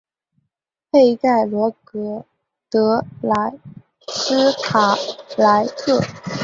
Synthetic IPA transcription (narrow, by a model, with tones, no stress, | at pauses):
pe˥˧ɪk̪a˥˩ɪlwɔ˧˥kɤ˧˥ | t̪ɤ˧˥la˧˥ɪ | sɹ̩˥kʰa˨˩la˧˥ɪkʰɤ˥˩